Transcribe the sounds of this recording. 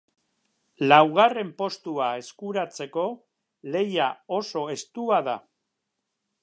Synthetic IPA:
lawɣ̞are̞mpo̞st̪uae̞skuɾat͡se̞ko̞ | le̞jao̞so̞e̞st̪uaða

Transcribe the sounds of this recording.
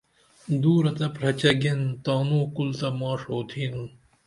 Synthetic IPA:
d̪uːɾɐt̪ɐpɾɐt͡ɕɐɡent̪ɑːnuːkult̪ɐmɑːʂoːt̪ʰiːnũ

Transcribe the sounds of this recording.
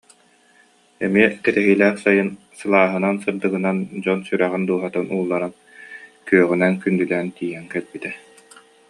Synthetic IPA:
ɛmiɛkɛt̪ɛɦiːlæːχsajɯn | sɯlˠaːɦɯnansɯɾd̪ɯɡɯnand͡ʑɔnsyɾæʁind̪uɔɦat̪ɯnuːlˠːaɾan | kyœʁynɛnkynd̪ylɛːnt̪iːɦɛŋkɛlbit̪ɛ

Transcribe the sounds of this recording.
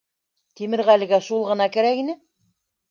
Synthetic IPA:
t̪imɘ̆ɾʁælɘ̆ɡæʃulˠʁɤ̆nɑkɘ̆ɾækinɘ

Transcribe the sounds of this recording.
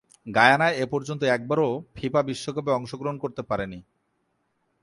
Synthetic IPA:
ɡajanaeepɔɾd͡ʑont̪̬oɛk̚baɾopʰipabiʃːokapeɔŋʃoɡɾoɦonkoɾt̪epaɾeni

